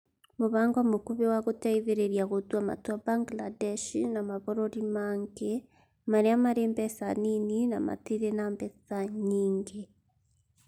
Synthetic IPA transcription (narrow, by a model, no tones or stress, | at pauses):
moβaːŋɡamokuβewaɣotaiðeɾeɾjaɣotwama̰twabaŋɡladɛʃinamaβoɾoɾimaŋɡe | maɾeamaɾeːmbɛsaninina̰ma̰tiɾenambɛsaɲiːŋɡe